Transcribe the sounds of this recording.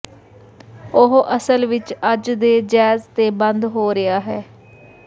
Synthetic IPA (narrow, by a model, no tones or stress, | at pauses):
ʊɦʔəsəlʋɪt͡ʃəd͡ʒd̪eːd͡ʒɛːzt̪eːbənd̪ɦoːɾɪaːɦɛː